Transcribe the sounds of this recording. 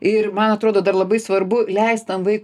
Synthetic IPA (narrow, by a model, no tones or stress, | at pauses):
ɪrmɐnɐt̪ɾoːd̪oːd̪ɐɾlˠɐbɐɪsʋɐɾbʊlʲɛɪst̪̚t̪ɐnʋɐɪk